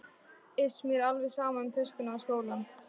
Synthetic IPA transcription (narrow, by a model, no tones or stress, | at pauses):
ɪsmiɾalvɛɣsaːmaʏmt̪ʰʏskʏnaaskoːwlan